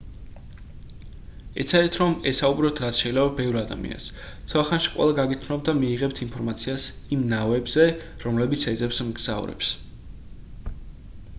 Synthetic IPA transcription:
ɛt̪sʰad̪ɛt̪ʰɾɔmɛsaubɾɔp̚t̪ʰɾat̪sʰʃɛilɛbabɛvɾad̪a̰mḭa̰ns | t̪sʰɔaχanʃi̥qʼwɛ̰lˠaɡaɡit̪ʰmnɔbd̪amiːʁɛpt̪ʰinpʰɔɾmat̪sʰiasimnavɛbzɛ | ɾɔmlɛbit̪sʰɛd̪zɛpsmɡz̥a̰uɾɛ̰ps

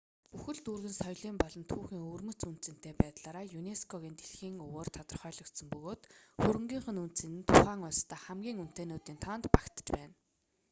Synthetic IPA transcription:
puxɘ̆ɮt̪urɣɘ̆nsɔjɮiːmpɔɮɞ̆nt̪ʰuːxiːŋɵrmɵ̆t͡sun̥t͡sɘ̆n̥t̪eːpæːt̪ɮaːɾaːjuneskʰɔɣiːnt̪eɮxiːŋɵwoːrt̪ʰɔt̪ɞ̆rχœːɮɞ̆kt̪sə̆mpɵɣoːt̪xuɾɘ̆ŋɡʲiːŋχə̆nunt̪t͡sɘ̆nɘ̆nt̪ʰʊχæːŋʊɮst̪ʰæːχæmɡʲiːŋun̥t̪eːnoːt̪iːnt̪ʰɔːnt̪pakt̪ə̥̆t͡ɕpæːn

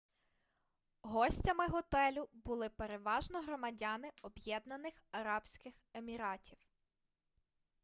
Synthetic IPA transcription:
ɦɔsʲtʲɐmɪɦɔt̪ɛlʲʊbʊlˠɪpeɾeʋɑʒnɔɦɾɔmɐdʲɑnɪɔbjɛd̪nɐnɪxɐɾɑbsʲkɪxemʲiɾɑtʲʰiw

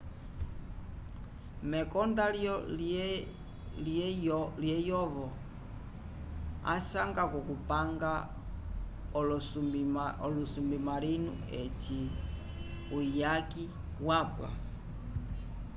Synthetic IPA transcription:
mɛkɔndaljɔ | l | ljɛjɔβɔ | a̰saŋɡakɔkupaŋɡa | lsuiɔlusumbimaɾinṵ | ɛt͡ʃi | ujaki | wapwa̰

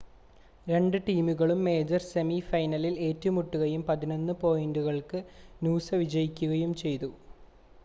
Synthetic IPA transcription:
ɾe̞ɳɖɨʈiːmuɣɐɭumːe̞ːd͡ʑɐrsemifɐjnɐlile̞ːtːɐmuʈːuɣɐjumpɐðino̞nːɨpo̞ːjinduɣɐɭkɨnuːsɐʋid͡ʑɐjikʲːuɣɐjumt͡ɕe̞jt̪u

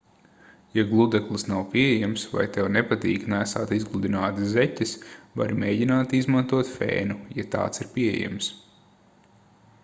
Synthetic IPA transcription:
jaɡlˠud̪ɛklˠɨsnawpʲiɛɛjɛamsva̰jt̪ɛwnepat̪iːknæːsa̰ːt̪izɡlˠud̪inaːt̪ɨzɛcʲɪsva̰ɾimeːjɟinaːt̪izmãnt̪uɔt̪fḛːnujat̪a̰ːt̪siɾpʲiɛḛjɛ̰ms

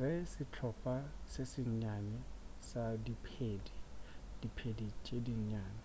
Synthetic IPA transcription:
ɣɛsɪt͡ɬʰɔpʼasesɪɲɲanɛsadipʰeːdid̥ipʰedit͡ʃʼediɲɲaːnɪ

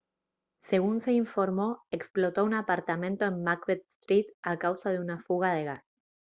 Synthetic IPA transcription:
se̞ɣunse̞iɱfo̞ɾmo̞eksplo̞t̪o̞unapaɾt̪amẽ̞nt̪o̞emmakβet̪st̪ɾit̪̚akawsað̞e̞unafuɣað̞eɣas

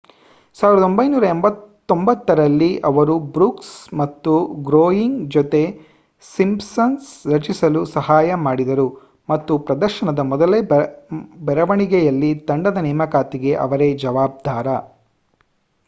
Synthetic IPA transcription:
saːʋiɾɐd̪ombɐjnuːɾɐembɐt̪ːombɐt̪ːɐɾɐlːiʔɐʋɐɾubɾuːksmɐt̪ːuɡɾoːjiŋɡd͡ʒɔt̪e̞ | simpsɐnsɾɐt͡ʃisɐlusɐɦaːjɐmaːɽid̪ɐɾu | mɐt̪ːupɾɐd̪ɐɾʃɐɳɐd̪ɐmɔd̪ɐle | bɛɾɐʋɐɳiɡɛjɐlːit̪ɐɳɖɐd̪ɐnɛːmɐkaːt̪iɡe̞ʔɐ̰ʋɐɾe̞d͡ʒɐʋaːb̚d̪ʱaːɾɐ

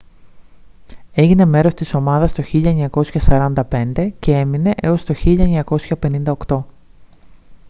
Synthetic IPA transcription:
e̞ʝine̞me̞ɾo̞st̪iso̞mɐðɐst̪o̞çiʎɐeɲɐko̞sçɐsɐɾɐnd̪ɐpe̞nd̪e̞ce̞e̞mine̞ʔeo̞st̪o̞çiʎɐeɲɐko̞sçɐpe̞nind̪ɐokt̪o̞

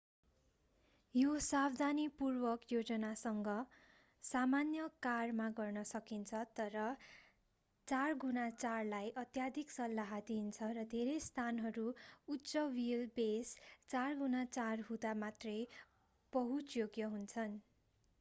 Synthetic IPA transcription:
josabd̪ʱanipurbʌkjod͡zʌnasʌŋɡʌ | samanjʌkarmaɡʌrnʌsʌkint͡sʰʌt̪ʌɾʌ | t͡sarɡunat͡sarlajʔʌt̪jad̪ʱiksʌlːaɦʌd̪int͡sʰʌɾʌd̪ʱeɾejst̪ʰanɦʌɾuutːt͡sʌwilbest͡sarɡunat͡sarɦud̪amat̪rʌj | b̥ʌɦut͡sjoɡjʌɦunt͡sʰʌn

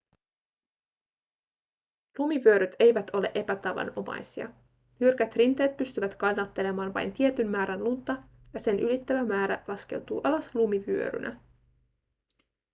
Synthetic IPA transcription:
lumiʋyø̞ɾyt̪ʰe̞jʋæt̪o̞le̞ʔe̞pæt̪ɑʋɑ̰no̞mɑ̰jsiɑ̰ | nyrkæt̪rint̪e̞ːt̪̚pyst̪yʋæt̪kɑnːɑt̪ːe̞le̞mɑːnʋɑ̰jnt̪ie̞t̪ynmæːɾænlunt̪ˑːɑ | jɑse̞nʔylit̪ːæʋæmæːɾæ̰lɑske̞̰wt̪ṵːʔɑlɑslumiʋyø̰ɾy̰nʔæ̰

